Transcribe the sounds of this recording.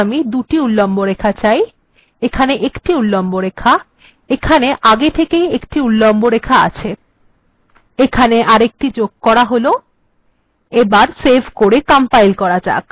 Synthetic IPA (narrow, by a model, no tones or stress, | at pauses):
mid̪uʈiulːomboɾekʰat͡ɕaj | ekʰaneʔekʈiulːomboɾekʰa | ekʰaneʔaɡet̪ʰekejekʈiulːomboɾekʰaa̰t͡ɕʰe | ekʰaneʔaɾek̚ʈid͡ʑoɡ̚kɔɾaɦolo | ebaɾsebʱkoɾekampajlkɔɾad͡ʑa̰k